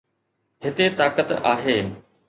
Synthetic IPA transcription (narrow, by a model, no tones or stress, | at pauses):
hɪt̪et̪aːkət̪a̰ːɦeː